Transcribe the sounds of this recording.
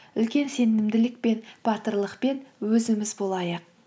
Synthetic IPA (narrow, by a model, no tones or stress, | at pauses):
ʏlkʲe̞nse̞nɪmd̪ɪlɪk̚pe̞nb̥ɑt̪əɾlˠəqpe̞nwɵzɪmɪzbo̞lˠɑjəq̚